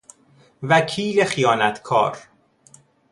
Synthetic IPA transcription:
vækʰiːlexijɒːnæt̪ʰkʰɒ̰ːɾ

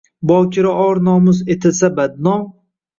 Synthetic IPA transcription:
bɒːkʰʲɪɾaʔɒɾnɒːmʊzet̪ʰɪlsabad̪nɒ

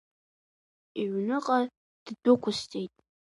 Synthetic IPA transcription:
iɥnɨqʼa | d̥dʊkʷʰʊstʼejtʼ

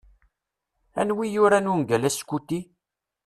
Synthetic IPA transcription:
æ̰nwijʊɾænunɡælæskːut̪ːi

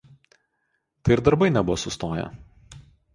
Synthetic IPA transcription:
t̪ɐɪɪɾd̪ɐɾbɐɪnʲɛbʊʋoːsʊst̪oːjɛ̰

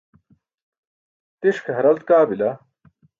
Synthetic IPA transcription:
t̪iʂkʰɦɐɾɐlt̪kaːbilɐ

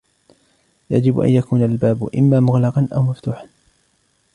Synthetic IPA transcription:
ja̰d͡ʒɪbʔa̰njakuːnalbaːbʔɪ̰mːaːmʊɣlɑqɑnʔa̰wmaft̪uːħan

